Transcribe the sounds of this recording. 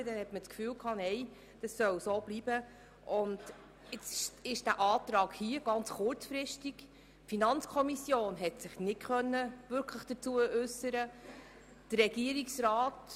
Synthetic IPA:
d̥ɛnhɛtmət͡skfyːlkʰɑːnɛɪ | d̥ɑsːœwsoːb̥libə | ʔʊnd̥ | ɪt͡sʃɪʃd̥æːʔɑːt̪ɾɑːɡhiːəɡ̥ɑnt͡sχʊrt͡sfɾɪʃtiɡ̥ | finɑnt͡skʰɔmisjoːnɦɛtsɪχnɪtkχœnːəʋʏɾkʰləχd̥ət͡suːəʔʉsəɾə | d̥ərːɛɡ̥iəɾiksɾɑːt

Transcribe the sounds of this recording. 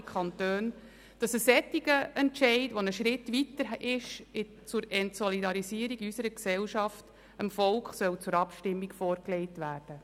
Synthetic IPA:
kʰχɑntøːn | d̥ɑsəsɛt̪ːiɡəɛntʃɛɪtʋonəʃɾɪtʋitəɾɪʃɪ | t͡sʊɾɛntsɔlidɑɾisiːəɾiɡysəɾəksɛlʃɑft | əmfɔlkχsœwt͡sʊɾɑpʃtɪmːikfɔːɾklɛɪtʋæːrd̥ə

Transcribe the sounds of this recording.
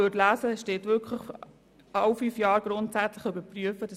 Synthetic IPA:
øtlæːsəʃteːtʋʏɾkχləχ | ɑwfyːfjɑːɾɡ̥ɾʊntsæt͡sləχybəpryəfəd̥ə

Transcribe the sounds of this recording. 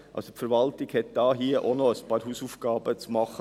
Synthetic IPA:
ʔɑ̰lsopfəɾʋɑlt̪ɪɡ̥hɛt̪̚d̪̥ɑːɦiːəʔonɔəspɑːɾhuːsuːfɡ̥ɑːbət͡smɑχə

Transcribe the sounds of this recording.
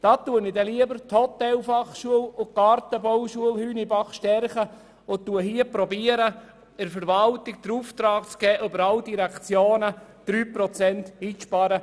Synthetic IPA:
d̥ɑːt̪ːuənidɛliəbəɾthɔt̪ɛlfɑχʃuəlʊkɑɾt̪əbɔwʃuəlhyːnibɑχʃtɛrχə | ʊt̪ːuəɦiəpɾɔbiəɾə | ɛɾfəɾʋɑltɪk̚d̥̪əɾuft̪ɾɑːk̚t͡sɡ̥ɛːʔøbəɾɑldiɾɛkt͡sjoːnəd̪̥ɾyːpɾɔt͡sɛnt̪iːʃpɑɾə

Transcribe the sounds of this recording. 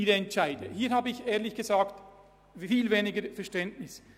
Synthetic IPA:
iːɾəɛntt͡ʃaɪdəhiːhaːbəɪçʔeːɐlɪçɡ̥əzaːkt | fiːlveːnɪɡəɾfɛɐʁʃtɛntnɪs

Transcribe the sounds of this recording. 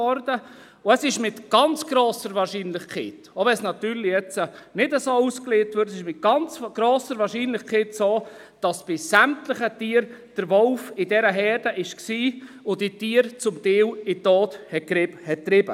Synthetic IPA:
ɔɾdə | ʊəsɪʃmɪtɡ̥ɑnt͡sɡ̥ɾoːsəɾʋɑːɾʃiːnlɪχkʰχɛːtoʋɛsnɑt̪yːɾlɪjɛt͡sənɪdəsouskleːtʋʏɾtsɪʃmɪt̚ɡ̥ɑnt͡sɡ̥ɾoːsəɾʋɑːɾʃiːnlɪχkʰɛːtsoː | d̥ɑsb̥ɪsæmtlɪχətiːəɾd̥əɾʋɔlfɪdɛɾəɦɛːɾd̥əʔɪʃksiː | ʊditiːəɾt͡sʊmtɪːwɪtoːthɛt̚kɾɪbhɛt̚tːɾɪb̥ə

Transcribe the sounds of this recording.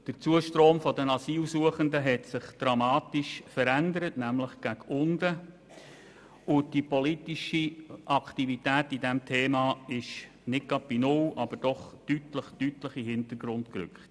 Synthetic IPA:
d̥əɾt͡suəʃtɾoːmfɔdənɑsiːlsuəχəndəɦɛtsɪχd̥ɾɑmɑːtiʃfəɾændəɾətnæmləχɡ̥æɡʊndə | ʊd̥ipɔlitiʃiʔɑkʰtivitæːtidɛmtʰeːmɑːɪʃ | nɪt̚ɡ̥ɑd̚b̥inʊlʔɑb̥əɾd̥ɔχtytləχtytləχiɦɪntəɡ̥ɾʊndkɾʏ̰kχt

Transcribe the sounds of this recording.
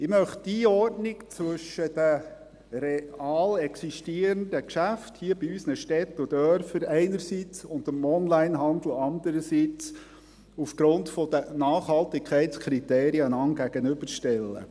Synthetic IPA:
ɪmœχtd̥iɔrdnɪkt͡sʋɵʃəd̥ə | rɛɑːlɛksiʃtiəɾənd̥əkʃæfthiəbiysnəʃtɛt̪ʊd̥̪œɾfəɾɛɪnəɾsit͡sʊndəmɔnlæɪnɦɑnd̪l̩ɑnd̪əɾəsiːt͡s | ufɡ̥ɾʊntfɔd̥̪ənɑːχhɑltɪkʰχɛɪtt͡skʰɾiteːɾiənɑŋɡ̥æɡ̥ənʏbəɾʃtɛlːə̰

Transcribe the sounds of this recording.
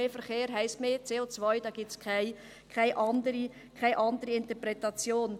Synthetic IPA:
eːfəɾχeːɾɦɛɪstmeːt͡seːot͡svɔjd̥ɑːɡ̥iːp̚t͡skʰaɪ | kʰaɪʔɑndəɾi | kʰaɪʔɑndəɾiɪntəpɾɛtɑt͡sjoːn

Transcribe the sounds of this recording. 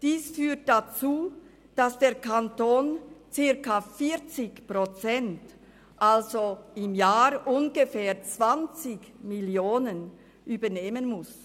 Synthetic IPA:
d̥iːsfyːɐt̚d̥at͡suː | d̥asd̥eːɐkʰantoːnt͡sɪʁkafiɐt͡sɪçpʁ̥ot͡sɛnt | ʔalzoɪmjaːɾʔʊnɡefɛːɐt͡sv̥ant͡sɪçmɪljoːnən | ʔyːbɐneːmənmʊs

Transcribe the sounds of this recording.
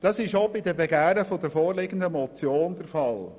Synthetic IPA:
d̥ɑsɪʃobidəbeɡæːɾəfod̪əɾfɔːɾlɪɡəndəmɔt͡sjoːnd̪əɾfɑl

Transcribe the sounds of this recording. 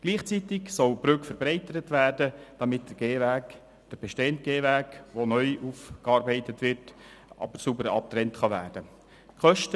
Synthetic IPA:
ɡ̥liːχt͡sitɪksɔlbɾʏkfəɾbɾɛɪtəɾətʋæːrdəd̥ɑmɪt̚d̥əɡ̥eːʋæːk | d̥əɾb̥ɛʃteːəntɡ̥eːvæːkʋonœʏʔuːfkɑːɾbɛɪtətʋɪrt | ɑ̰bəɾsubəɾɑ̰p̚t̪ɾɛntχɑʋæːɾd̥ə | kʰχœʃtə

